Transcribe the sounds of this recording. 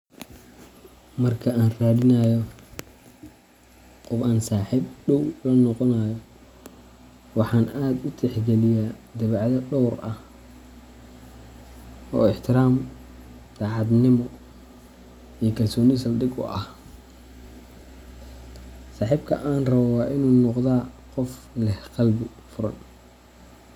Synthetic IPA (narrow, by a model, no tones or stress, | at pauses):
mɐrkʰɐaːnraːðɪnɐjɔ | qʊbaːnsaːħibɖɔwlɔːnɔqɔnajɔ | wɑħɑːnaːd̪ʊt̪ʰɛħɡɛlɪjaːd̪ɐβʕðɐɖɔwrɐh | ɔ̰ːɪħt̪ʰɪɾaːm | d̪aːʕɑd̪nɪmɔ | ijɞkʰɐlsɔːnisɐlɖɪɡʊ̰ʔɐh | saːħiːbkʰɐ̰ʔaːnrɐβɔwɑːʔɪnuːnɔqðaːqɔflɛhqɑlbɪfʊɾɐ̰n